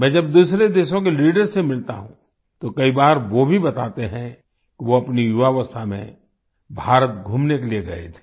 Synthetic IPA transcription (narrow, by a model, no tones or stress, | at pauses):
mɛ̃ːd͡ʒɐb̚d̪uːsɾed̪eːʃõk̬eliːɖəɾsemɪlt̪a̰ɦṵ̃ | t̪okɐibaːɾʋobʱibɐt̪aːt̪eɦɛ̃ | kiʋoɐpnijuʋaʋəst̪ʰamḛ̃ | bʱaːɾət̪ɡʱuːmnekelijeɡɐḛt̪ʰe̥ː